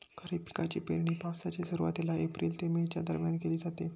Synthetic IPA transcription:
kʰəɾipi̥kat͡ɕipḛɾɳiːpawsat͡ɕesəɾuʋa̰t̪ilaʔepɾiːlt̪emet͡ɕja̰d̪əɾmjankeliːd͡zat̪e

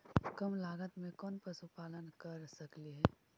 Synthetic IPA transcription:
kɐmlaːɡət̪mẽkɔːnpɾəsupaːlənkəɾsəkliɦɛː

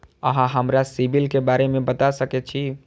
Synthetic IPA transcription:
əɦãɦəmɾasibilkebaɾemẽbət̪asəkɛt͡ʃʰi

